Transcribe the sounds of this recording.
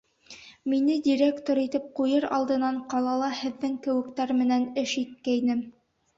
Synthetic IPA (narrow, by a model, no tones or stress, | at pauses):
minɘd̪ʲiɾʲekt̪oɾit̪ɘp̚qujɤɾɑ̰lˠd̪ɤ̆nɑɴqɑlˠɑlˠɑhɘ̆ðːɘŋkɘ̆wɘ̆kt̪æɾmɘ̆nænɘʃit̪̚kæjnɘm